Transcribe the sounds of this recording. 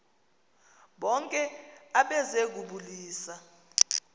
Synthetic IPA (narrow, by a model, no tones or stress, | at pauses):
ɓɔŋkʼɛaɓɛzek̬uɓuliːsa